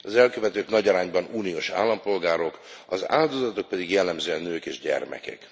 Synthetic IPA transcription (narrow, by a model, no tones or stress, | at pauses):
ɒzɛlkø̞vɛt̪øːknɒɟɒɾaːɲbɒnuːnioːʃa̰ːlːɒmpo̞lɡaːɾo̞kɒza̰ːld̪o̞zɒt̪o̞k̚pɛd̪iɡjɛlːɛmzøːɛnːøːkeːʒɟɛ̰rmɛ̰kɛ̰k